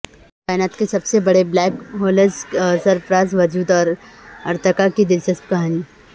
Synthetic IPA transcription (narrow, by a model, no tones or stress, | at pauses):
kaːɪnaːt̪kesɐbsebɐɽeblɛːkɦoːləssɐɾpɾaːzʋɐd͡ʒuːd̪ɔːɾɐɾt̪əkakid̪ɪlʃɐst̪̚kɐɦaːni